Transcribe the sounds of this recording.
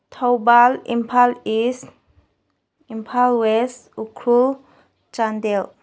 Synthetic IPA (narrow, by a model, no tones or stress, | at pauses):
t̪ʰawbalḭmpʰalis | impʰalwɛsukʰɾul | t͡ʃand̪ɛl